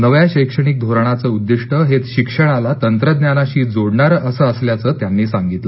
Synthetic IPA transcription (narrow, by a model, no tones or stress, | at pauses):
nəʋjaɕəjkʂəɽ̃ik̚d̪ʱoɾɳ̃at͡səud̪ːiʂʈəɦet̪ɕikʂəɽ̃alat̪ənt̪ɾəd̪njanaɕiːd͡zoɽɳaɾəsəəsljat͡səːt̪janːiːsaŋɡit̪lə